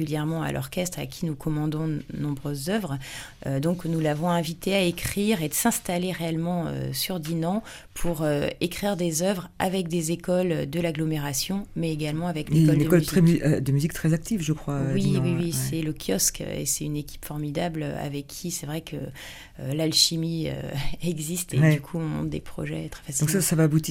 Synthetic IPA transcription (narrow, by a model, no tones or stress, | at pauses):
yljɛʁmɑ̃a̰lʔɔ̰ʁkʲɛst̪χa̰kʲʰinukʰɔmɑ̃d̪ɔ̃nɔ̃bʁøzːœvʁ | ød̪ɔ̃knulavɔ̃ɛ̃vit̪ʰeaekχiʁed̪əsɛ̃st̪aleʁeɛlmɑ̃ø̰syʁd̪inɑ̃ | pʰuʁøekχiʁd̪ezœvʁa̰vɛk̚d̪ezekɔlød̪əlaɡlɔmeʁasjɔ̃mɛeɡalmɑ̃avɛklekɔldnekɔlyziɛmyd̪əmyzik̚t̪χɛzak̚t̪ivʒəkχwawiwiwisɛləkʰʲjɔskḛsɛt̪ynekʲi̥pfɔʁmid̪ablø̰a̰vɛkʰːisɛvʁɛkə | ølalʃimiø̰ɛɡzist̪ed̪ykʰuɔ̃mɔ̰̃t̪d̪ḛpχɔ̰ʒɛt̪χɛ̥fasidɔ̃ksasavaːbut̪i